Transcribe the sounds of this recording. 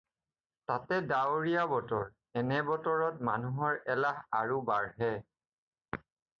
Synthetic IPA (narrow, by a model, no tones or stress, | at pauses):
tatɛdaoɹijabɔtɔɹ | ɛnɛbɔtɔɹɔt̚manuɦɔɹɛlaɦaɹubaɹɦɛ